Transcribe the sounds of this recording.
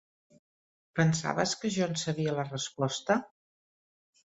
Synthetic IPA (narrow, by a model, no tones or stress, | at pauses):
pənsa̰βəskəʒɔnsəβiələrəspɔst̪ə